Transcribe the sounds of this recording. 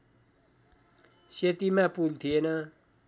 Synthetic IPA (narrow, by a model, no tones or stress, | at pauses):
ɕet̪imapult̪ʰienə